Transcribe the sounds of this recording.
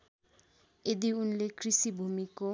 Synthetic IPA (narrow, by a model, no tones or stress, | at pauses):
ed̪iunlekrisibʱumiko